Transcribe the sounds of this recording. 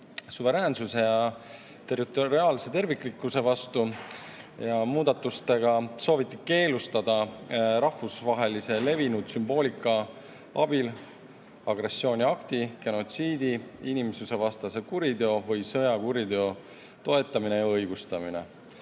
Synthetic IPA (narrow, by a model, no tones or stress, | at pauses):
suve̞ɾæːnsuse̞jɑ | t̪e̞rit̪ˑoɾiɑːlse̞t̪e̞rvikːˑlikːˑuse̞vɑst̪u | jɑmuːd̪̥ɑt̪ːˑust̪e̞ɡ̥ɑso̞ːvit̪ːike̞ːlust̪ɑd̪̥ɑɾɑhvusvɑɦe̞lise̞le̞vinud̪symbo̞ːlʲikˑːɑ | ɑb̥il | ɑɡre̞sːo̞ːnʲiɑkt̪ike̞no̞t̪siːd̪iinʲimsuse̞vɑst̪ɑse̞kuɾid̪eo̞vɤjsɤjɑkuɾid̪eo̞ | t̪o̞e̞t̪ːˑɑminejɑɤjɡ̥ust̪ɑmine̞